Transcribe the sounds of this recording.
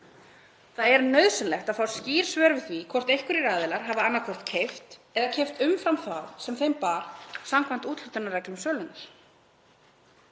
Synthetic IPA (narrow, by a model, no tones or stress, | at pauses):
θaðɛɾnœɥðsʏnlɛxt̪aðfaw̥sciːɾ̥svœːɾvɪθvikʰɔr̥t̪ejhkʏɾiɾaːðɪlaɾ̥ɦavaanːakʰɔr̥t̪cʰejft̪ɛðacʰɛjft̪ʏmfɾamθaðsɛmθejmpaɾ̥samkʰvant̪uːt̪l̥ʏt̪ʏnːarɛklʏmsœːlʏnːʏɾ̥